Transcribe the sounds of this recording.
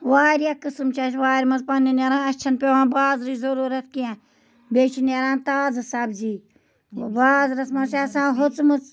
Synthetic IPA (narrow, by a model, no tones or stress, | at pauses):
ʋaːɾjaːkɨsmt͡ʃʰaːt͡ʃʋaːɾʲmɐzpaninʲɐɾãːɐt͡ʃʰɐnpeʋãːbaːzɾiːzɐɾuːɾɐt̪̚ʰkiã | beːt͡ʃʰinaɾãːnt̪aːzsabziː | baːzɾɐsmɐseɐsãːɦʊt͡smɐt͡s